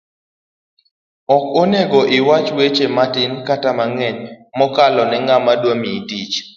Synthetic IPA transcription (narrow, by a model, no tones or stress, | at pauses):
ɔkoneɡoʔɪwat͡ʃwet͡ʃematɪnkatamaŋɛɲmɔkalɔnɛŋɡamadwamitit͡ʃ